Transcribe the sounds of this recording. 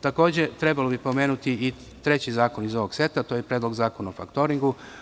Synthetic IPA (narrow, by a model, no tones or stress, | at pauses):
t̪ako̞ːd͡ʑe̞t̪ɾe̞balo̞bipo̞me̞ːnut̪ii | t̪ɾe̞t͡ɕizaːko̞nizo̞ʋo̞ɡ̥se̞t̪at̪o̞ːjepɾed̪lˠoɡzaːkonaofakt̪o̞ɾiŋɡu